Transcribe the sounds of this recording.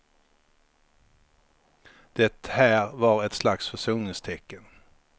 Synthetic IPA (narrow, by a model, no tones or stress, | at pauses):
d̪̥ɛt̪ːhæːɾvɑɾɛt̪slaksfœʂuːnɪŋst̪ʰɛkːən